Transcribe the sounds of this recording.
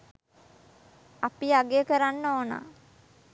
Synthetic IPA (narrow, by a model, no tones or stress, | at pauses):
apiaɡejəkəɾanːoːna̰ː